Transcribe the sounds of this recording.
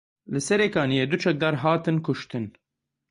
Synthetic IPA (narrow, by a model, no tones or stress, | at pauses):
lɨsɛɾeːkɑːnijeːd̪ut͡ʃʰɛk̚d̪ɑːɾɦaːt̪ɨnkʰʊʃt̪ɨn